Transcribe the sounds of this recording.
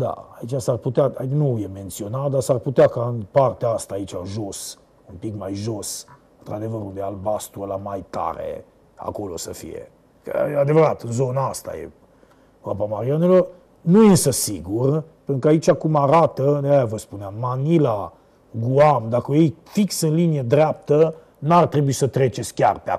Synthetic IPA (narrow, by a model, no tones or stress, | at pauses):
d̪a̰a̰it͡ʃasarput̪eaainujement̪sionad̪asarput̪eakaɨnpart̪east̪aːit͡ʃaʒos | umpikmajʒosɨnt̪ɾad̪evəɾund̪ealbast̪uəlamajt̪a̰ɾḛ | a̰kolo̰səfḭjḛ | kə̰ad̪evəɾat̪ɨnzonast̪a̰jḛ | apamaɾianelo̞r | nuɨnsəsiɡurpent̪ɾukəait͡ʃakumaɾat̪əajavəspuneamːanila | ɡuamd̪akəjejfiksɨnlinijeəd̪ɾeap̚t̪ə | nart̪ɾebuisət̪ɾe̞t͡ʃe̞t̪sʲkʲa̰rpea̰